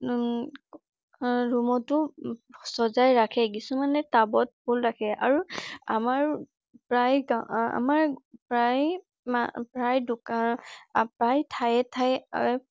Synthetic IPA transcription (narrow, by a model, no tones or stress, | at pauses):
ɹumɔtʊsɔzajɹakʰɛkisumanɛtabɔt̚bʊlɹakʰɛʔa̰ɹuamaɹ | pɹajɡaa̰maɹpɹaj | mapɹajdʊkanpɹajtʰajɛtʰaja̰